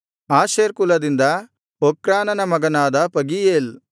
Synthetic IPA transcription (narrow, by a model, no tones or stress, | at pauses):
aːʃeːɾkulɐd̪ind̪ɐ | okɾaːnɐnɐmɐɡɐnaːd̪ɐpɐɡijeːl